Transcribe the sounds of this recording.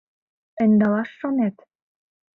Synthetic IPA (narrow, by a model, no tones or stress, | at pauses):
ə̆nʲd̪ɑlɑʃːonet̪